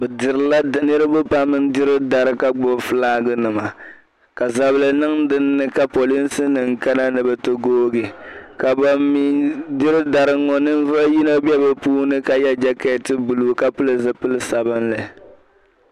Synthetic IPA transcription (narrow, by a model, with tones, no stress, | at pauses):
bɛ˨dɨ˨ɾɨ˨la˦˨nɨ˦ɾɨ˦bʊ˦pa˦mɨ˦n˦dɪ˦ɾɨ˦da˨ɾɨ˦ka˦ɡ͡bʊ˦fɨ˦laː˦ɡɨ˦nɨ˨ma˨ | ka˨za˨bɨ˦lɨ˨nɨ˦ŋdɨ˦nːɨ˦ka˨po˨li˦n˦sɨ˦nɨ˨ŋ̩˨ka˦na˦nɨ˨bɛ˨to˦ɡoː˦ɡɪ˨ka˨ba˦mi˦di˦ɾɨ˦da˨ɾɨ˦ŋɔ˨nɨ˦n˦vʊ˦lji˦no˦bɛ˦bɛ˨puː˦nɨ˦ka˦ja˦d͡ʒa˦kɛ˦tɨ˦bu˨lu˨ka˦pɨ˦lɨ˨zɨ˨pɨ˦lɨ˦sa˨bɨ˦nla˨